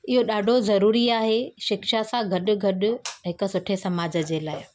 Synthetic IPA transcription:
ɪɦoɗaːɖʱozɐɾuːɾiaːɦeʃɪkʃasãɡʱɐɗʊ̆ɡʱɐɗʊ̆ɦɪksʊʈʰesɐmaːd͡ʑə̆d͡ʑeːlaːɪ

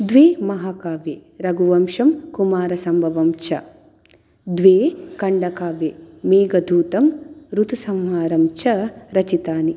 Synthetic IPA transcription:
d̪ʋeːmɐɦaːkaːʋeːɾɐɡuʋɐmʃɐmkumaːɾɐsɐmbʱɐʋɐmt͡ʃɐ | d̪ʋeːkɐɳɖɐkaːʋeːmeːɡɐd̪ʱuːt̪ɐmɾut̪usɐmɦaːɾɐmt͡ʃɐɾɐt͡ʃit̪aːni

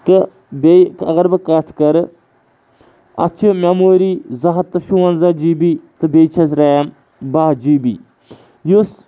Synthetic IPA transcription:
t̪ɨ | bekɐ̰ɣɐɾbɨkɐʈʰkɐɾ | ɐ̰t͡ʃʰimʲɐmoːɾiːzɐɦɐt̪ːɨʃuʋɐnzad͡ʒiːbiːt̪ɨbet͡ʃʰɐs̬ɾam | baɦd͡ʒiːbḭː | jus

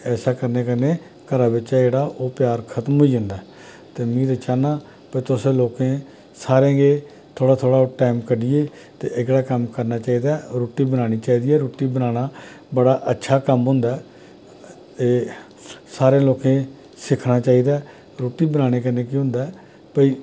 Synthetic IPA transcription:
ɛːsaːkəɾneːkənẽː | kəɾaːbɪt͡ʃːd͡ʒeːɽaːʔoːpjaːɾkʰət̪mɦoːiːʊ̃nd̪a | t̪eːmĩːd̪ət͡ʃaːnãː | pet̪ʊsẽːloːkẽː | saːɾẽːɡeː | t̪ʰoːɽaːt̪ʰoːɽaːʈaːɪmkəɖiːeː | t̪ḛːʔɪɡɽaːkəmkəɾnaːt͡ʃaːiːd̪aːɾoːʈiːbənaːɽ̃iːt͡ʃaːiːd̪iːɛːɾoːʈiːbənaːɽ̃aː | bəɽaːʔətːʃʰaːkəmɦʊ̃nd̪aːɛ | eː | saːɾẽːloːkẽː | sɪkʰnaːt͡ʃaːiːd̪aː | ɾoːʈiːbənaːɽ̃eːk̬əneːkiːɦʊ̃nd̪aɛ | pəiː

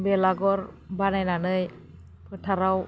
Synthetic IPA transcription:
bɛlaɡɔɾbanajnanɯj | pʰɯtʰaɾaw

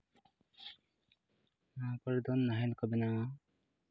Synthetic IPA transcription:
napɔɾd̪ɔnːaɦɛlkɔbɛna

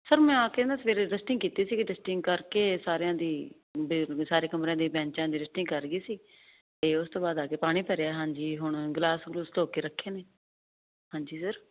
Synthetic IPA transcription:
səɾmɛ̃ːaːkẽnaːsʋeːɾeɖəsʈɪ̃ŋɡkiːt̪iːsiːkɪɖəsʈɪŋɡkəɾkeːsaːɾejãːd̪iː | bsaːɾeːkəmɾãːd̪iːbɛ̃ːɲt͡ʃãːd̪iːɾəsʈɪ̃ŋkəɾɡiːsiː | t̪eːʊst̪õːbaːd̪aːkeːpaːɽ̃iːpʰɛːɾeaɦãːɲd͡ʒiːɦʊɳ̃ɡlaːsɡlost̪oːkeːɾəkʰːeːneː | ɦãːɲd͡ʒiːsəɾ

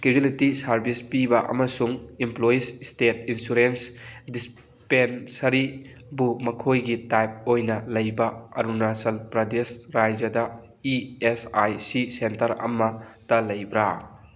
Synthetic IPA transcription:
skebilitisɐɾbispibɐʔɐ̰mɐsuŋimplojisstetinsuɾensdis | pensɐɾi | bumɐkʰojɡitajp̚ojnɐlɐjbɐɐ̰ɾunasɐlpɾɐdesɾajd͡ʒɐdɐ | iesajsisentɐɾɐ̰mɐtɐlɐjbɾa

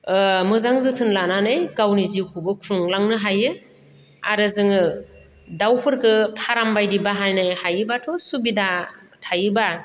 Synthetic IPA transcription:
mɯzaŋzɯtʰɯnlananɯjɡawniziwkʰubɯkʰɾuŋlaŋnɯɦajɯ | a̰ɾɯzɯŋɯ | dawpʰɯɾkʰɯpʰaɾambajdibaɦajnɯjhajɯbatʰɔsubida | tʰajɯba

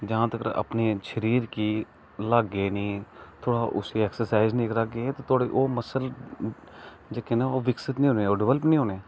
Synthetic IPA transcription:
d͡ʒaãːt̪əkəɾə̰pneːʃəɾiːɾkiː | laɡeːnĩːt̪ʰoːɽaːʔʊ̰siɛːksəɾsaːɪzneːkɾakɡeːt̪oːt̪ʰʊaːɽeːʔoːməsəl | d͡ʒekeːnaːoːʋɪksət̪nĩːɦoːneːoːɖɪʋələpnĩːɦoːneː

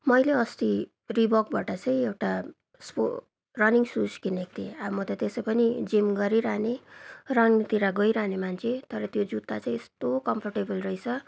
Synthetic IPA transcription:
mʌjleʌst̪i | ribʌk̚baʈʌt͡sʌĩewʈa | spo̰ | rʌniŋsuskinek̚t̪ʰḛamʌt̪ʌt̪esʌpʌnid͡zimɡʌɾiɾanerʌŋnit̪iɾaɡʌjɾanemant͡sʰet̪ʌɾʌt̪jod͡zut̪ːat͡sãĩest̪okʌmpʰʌrʈebʌlrʌjt͡sʰʌ

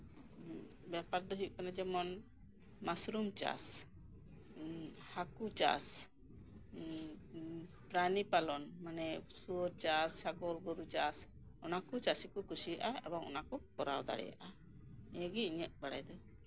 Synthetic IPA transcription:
bjapaɾd̪ɔɦiʔ̚kanad͡ʒɛmɔn | masɾumt͡ʃa̰s | hakut͡ʃa̰s | pɾanipalɔnmanɛsuɔɾt͡ʃassaɡɔlɡɔɾut͡ʃas | ɔnakut͡ʃasikɔkusijaʔaɛ̰bɔŋɔ̰nakɔkɔɾa̰wd̪a̰ɽɛ̰ja̰ʔa | ɛjəɡiiɲəʔ̪̚baɽa̰jd̪ɔ

